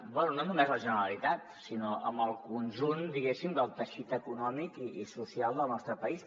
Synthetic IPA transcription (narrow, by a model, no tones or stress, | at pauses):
bwɛnunonumezləʒənəɾəlit̪at̪sinoʔə̰mbəlˠkunʲʒund̪iɣesimd̪əlˠt̪əʃit̪əkunɔmikiisusialˠd̪əlˠnɔst̪ɾəpəis